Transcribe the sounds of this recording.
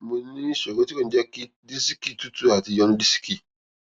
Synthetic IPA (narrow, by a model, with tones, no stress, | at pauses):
mũ˨nĩ˦so˨ɡo˦ti˦ko˦˨n˨da˦ki˦ | di˦si˦ki˦tu˦tu˦a˨ti˨jɔ˦nũ˦di˦si̥˦ki˦